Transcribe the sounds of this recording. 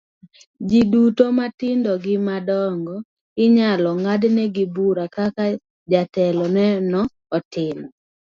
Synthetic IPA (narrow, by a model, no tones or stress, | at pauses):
d͡ʒidutomatɪndɔɡɪmadɔŋɡɔ | ɪɲalɔŋadnɛɡɪbuɾakaka | d͡ʒatɛlɔnɛnɔː | tɪm